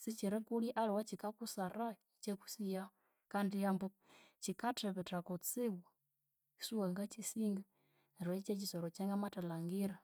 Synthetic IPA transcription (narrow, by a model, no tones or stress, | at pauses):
sit͡ʃiɾɛkuliʔaliwat͡ʃikakusaɾait͡ʃeku̥sija | kandijambɔ | t͡ʃikatɛβɛtakɔt͡siwa | isuwaŋɡat͡ʃisiŋɡa | ɾait͡ʃet͡ʃisɔɾɔt͡ʃaŋɡamatalaŋɡiɾa